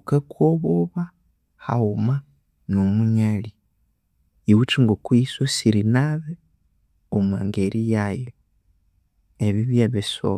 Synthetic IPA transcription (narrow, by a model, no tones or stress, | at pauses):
kakʰoβoβa | ha̰uma | nomuɲali | iwut͡ʃiŋɡokuisosiɾinaβe | omwa̰ːŋɡeɾʔijaje | eβiβjaβeso̰